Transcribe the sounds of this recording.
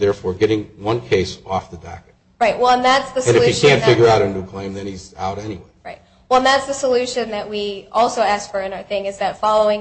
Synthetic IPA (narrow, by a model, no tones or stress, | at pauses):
ðɛɹfɔɹɡɛɾɪ̃ŋwʌ̃nkʰeɪsɔfðɨdæ̰kɨ | ɹaɪʔ̚wɛlˠə̃nðætsðɨsɨ̃nɨfɨkʰæ̃ntfɪɡjə˞aʊɾɨ̃ndukʰl̥ẽɪ̃mðɨ̃niza̰ʊɾɛniweɪɹaɪt̚ | wɛl̃ˠnðætsðɨsəlʉʃɨ̃nðɨʔ̚wiɔlˠsoʊæskfə˞ɨ̃naʊə˞θɪ̃ŋɨzðɨtfɑlˠoʊɪ̃ŋ